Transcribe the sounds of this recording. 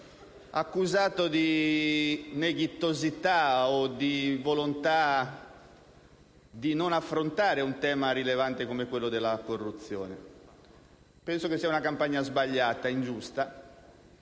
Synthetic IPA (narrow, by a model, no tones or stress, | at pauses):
akːuzaːt̪od̪i | neɡit̪ːozit̪aod̪ivolont̪a | d̪inonafːɾont̪aːɾeunt̪ɛːmaɾilevant̪ekomekwelːod̪elːakorːut̪sːjɔːne | pɛnsokesːiaunakampaɲːazbaʎːaːt̪aind͡ʒust̪a